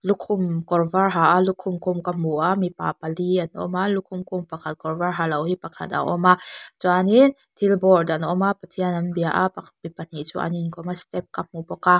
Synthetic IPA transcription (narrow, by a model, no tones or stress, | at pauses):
lukʰʊmkɔrvarɦaʔalukʰʊmkumkam̥uʔaʔmipa̰paliʔanʔɔ̰malukʰumkʊmpakʰat̪̚kɔrvarɦalɐwhipakʰa̰t̪̚a̰ʔɔ̰mat͡suanin | t̪ʰilbɔrdanʔɔmapat̪ʰiənanbiaʔapamipan̥iʔt͡sṵʔa̰ninkʰɔmast̪ɛp̚kam̥ubɔka